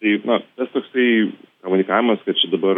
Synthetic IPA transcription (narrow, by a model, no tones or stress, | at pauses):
t̪ɐɪnɐt̪ɐst̪oːksɐɪkɐmʊnʲɪkaːʋʲɪmɐskɐt̪̚t͡ʃʲɛd̪ɐbɐɾ